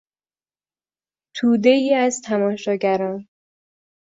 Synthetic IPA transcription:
t̪ʰuːd̪e̞iːæzt̪ʰæmɒːʃɒːɟæɾɒːn

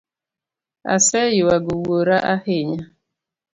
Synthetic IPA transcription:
a̰sɛjɪwaɡʊwoɾaʔahɪɲa

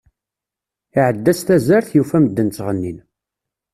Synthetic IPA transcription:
iʕəd̪ːæst̪æzæɾθjufæməd̪ːənt͡sːʁənːin

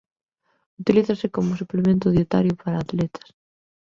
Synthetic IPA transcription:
ut̪iliθɐsɪkomʊsuplemẽnt̪ʊðiet̪a̰ɾjʊpaɾaːt̪lɛt̪ʰɐ̥s

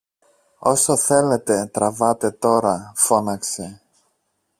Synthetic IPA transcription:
o̞soθe̞le̞t̪e̞t̪ɾɐvɐt̪e̞t̪o̞ɾɐfo̞nɐkse

